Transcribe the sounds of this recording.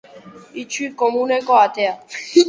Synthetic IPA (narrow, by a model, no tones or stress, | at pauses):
it͡ʃʰikɔmũnɛkɔat̪ɛa